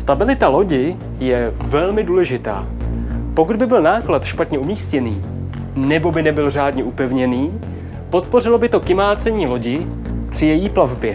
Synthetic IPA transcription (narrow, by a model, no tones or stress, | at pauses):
st̪abɪlɪt̪alo̞ɟɪ | jɛvɛlmɪduːlɛʒɪt̪a̰ː | po̞kud̪bɪbɪlnaːklat̪ʃpat̪ɲɛumiːscɛniː | nɛbo̞bɪnɛbɪlr̝aːdɲɛʔupɛvɲɛniː | po̞t̪po̞rɪlo̞bɪt̪o̞kɪmaːt͡sɛɲiːlo̞ɟɪ | pr̥ɪjɛjiːplavbjɛ